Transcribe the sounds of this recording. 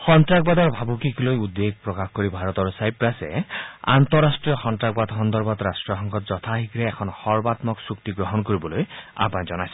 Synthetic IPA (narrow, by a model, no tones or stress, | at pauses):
xɔnt̪ɹakbad̪ɔɹbʱabukiklojud̪ːeɡ̚pɹɔkaxkoɹibʱaɹɔt̪ɔɹsajpɹasɛ̰a̰nt̪ɔɹasʈɹijɔxɔntɹaɡbad̪ɦɔnd̪ɔɹbɔt̪ɾasʈɹɔxɔŋkɔt̪zɔt̪ʰaɦiɡɹɛɛkʰɔnxɔɹbat̪mɔksuk̚t̪iɡɹɔɦɔnkoɹibɔloja̰pãzɔnajsɛ